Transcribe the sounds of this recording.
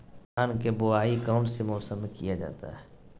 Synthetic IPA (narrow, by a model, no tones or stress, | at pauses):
kaːnkeboaːikaʊɳʈsemɔːsəmːekijad͡ʒa̰ːt̪a̰ɦɛː